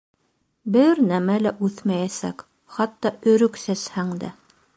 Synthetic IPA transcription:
bɘɾnæmælæʔʉθmæjæsæ̰k | χɑt̪ːɑɵ̆ɾɵksæshæŋd̪æ̰

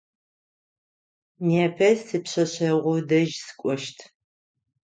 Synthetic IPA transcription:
neːpʰɐzsɨpɕɐɕɐʁʷʊdɐʒsɨ̥kʷʼɔʃtʰ

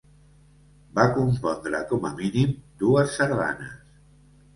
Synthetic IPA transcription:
bakumpɔnd̪ɾə̰kɔməminimd̪uəsːəɾða̰nə̰s

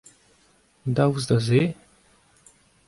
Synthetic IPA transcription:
d̪awuzd̪aze

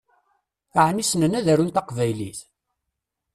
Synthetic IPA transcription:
aʕnisnənæðæɾunt̪ɑqvæjliθ

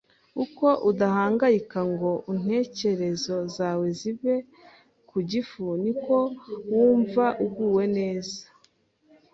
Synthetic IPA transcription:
uko̞ʔudahaːŋɡajikaŋɡo̞ʔin̥e̞ːce̞ɾe̞zo̞zaːwe̞ziβe̞ | kuɟifuniko̞wuːɱvaʔuɡɡuːwe̞ne̞ːzḁ

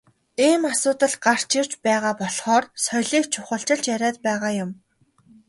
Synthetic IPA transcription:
iːmasʊːt̪ə̆ɮɢar̥t͡ɕɪr̥t͡ɕpæːʁaːpɔɮχɔːrsɔjɮiːkt͡ɕʰʊχə̆ɬt͡ɕɪ̆ɬt͡ɕjæɾʲæːt̪pæːʁaːjʊm

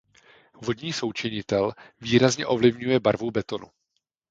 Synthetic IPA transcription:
vo̞d̪ɲiːso̞wt͡ʃɛɲɪt̪ɛlviːɾazɲɛʔo̞vlɪvɲujɛbaɾvubɛt̪o̞nu

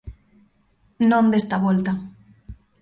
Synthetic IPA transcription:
nõnd̪est̪aβolt̪a

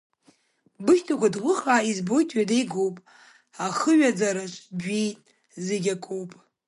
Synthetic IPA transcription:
bɨʃtʰakʷʰadʁʷʊχaːizbo̞jtʰʼɥadejɡowpʼ | aχəɥad͡zaɾaʃʷʼbijtʼ | zeɡʲakʷʼowpʼ

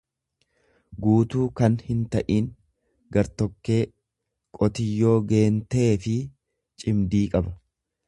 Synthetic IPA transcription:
ɡuːt̪uːkɐnhɪnt̪ɐʔiːŋ | ɡɐɾt̪ɔkːe̞ː | kʼɔt̪ɪjːo̞ːɡe̞ːnt̪eːfɪ | t͡ʃʼɪmd̪iːkʼɐbɐ̥

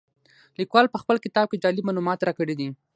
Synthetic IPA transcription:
likwɑlpəxpəlkɪt̪ɑb̚ked͡ʒɑlimalumɑt̪ɾɑkəɽid̪i

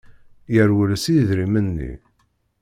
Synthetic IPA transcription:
jəɾwəlsiðɾimənːḭ

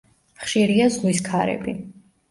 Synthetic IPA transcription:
χʃiɾiazwiskʰaɾɛ̰bi

